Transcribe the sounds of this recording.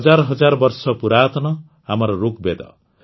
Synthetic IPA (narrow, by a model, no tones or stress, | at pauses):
d͡zarɦʌd͡zarbʌrsʌpuɾat̪ʌnʌ | ɦamʌɾʌɾukbed̪ʌ̰